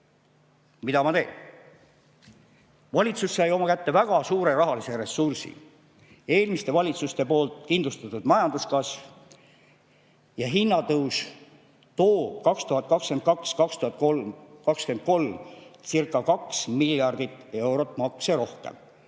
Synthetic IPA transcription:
mid̪ɑmɑt̪e̞ːn | vɑlʲit̪susːɑjo̞mɑkæt̪ːe̞væɡ̥ɑsuːɾe̞ɾɑɦɑlise̞ɾe̞sːursḭ | e̞ːlmist̪e̞vɑlʲit̪sust̪e̞po̞ːlt̪kind̪lust̪ɑt̪ud̪̥mɑjɑnd̪uskɑsv | jɑɦinːɑt̪ɤws | t̪o̞ːkɑkst̪uɦɑt̪̚kɑkske̞nt̪̚kɑkskɑkst̪uhɑt̪̚kokɑkske̞nd̪̚ko̞lmsirkˑːɑkɑksmiljɑrd̪̥it̪ˑːe̞wɾo̞t̪ːˑmɑkseɾo̞hkḛm

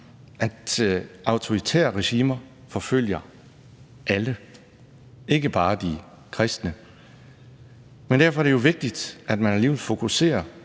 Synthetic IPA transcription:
ʔæd̥ɑ̈ʊt͡sʰo̝ʁit͡sʰḛːɐʁeɕiːmɐ | fɒ̽føl̰jɐ | ʔælə | e̝ɡ̥əb̥ɑ̈ːd̥i | kʰʁɛsd̥nə | mend̥æɐfɒɾejo̝ʋe̝ɡ̥̚d̥id̥æd̥mænæliːʋelfo̝kʰuse̝̰ːɐ

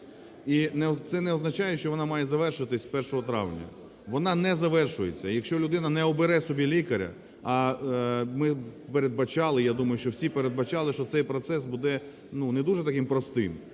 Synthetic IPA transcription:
inɛɔt̪sɛnɛɔznɐt͡ʃɑjɛʃt͡ʃɔʋɔnɑmɑjɛzɐʋɛrʃɪɐt̪ɪsʲpɛrʃɔɦɔt̪ɾɑ̰ʋnʲɐ̰ | ʋɔnɑnɛzɐʋɛrʃʊjet͡sʲːɐjɐkʃt͡ʃɔlʲʊd̪ɪnɐnɛɔbeɾɛsɔbʲilʲikɐɾʲɐ̰ | ɐ | mɪpeɾed̪̚bɐt͡ʃɑlˠɪjad̪umɐjʊʃt͡ʃɔwsʲipeɾed̪̚bɐt͡ʃɑlˠɪʃt͡ʃɔsɛjpɾɔt̪sɛsbud̪ɛ | nunɛd̪uʒɛt̪ɐkɪmpɾɔst̪ɪ̰m

